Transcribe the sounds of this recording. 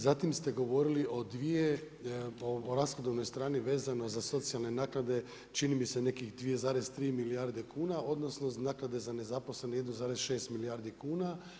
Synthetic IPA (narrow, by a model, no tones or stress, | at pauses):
zat̪imst̪e̞ɡo̞ʋo̞ɾiliʔo̞d̪ʋije | oɾasxod̪oʋno̞jst̪ɾaːniʋe̞ːzano̞zaso̞t̪sijalˠne̞naːknad̪e̞ | t͡ʃinimise̞ne̞kixd̪ʋijezaːɾest̪ɾiːmiliaɾd̪ekuːnao̞d̪no̞snoznaːknad̪e̞zane̞zapo̞sle̞nojed̪nuzaːɾezʃe̞ːst̪milijaːɾd̪ikuːna